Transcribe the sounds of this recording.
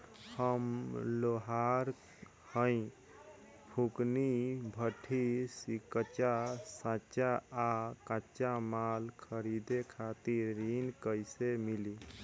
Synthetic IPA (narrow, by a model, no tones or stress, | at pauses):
həmloɦaɾ | həɪ̃ | bʰʱuknibʱəʈʰisikət͡ʃasãt͡ʃaakãt͡ʃamalkʰəɾid̪ekʰat̪iɾɾinkəjsemili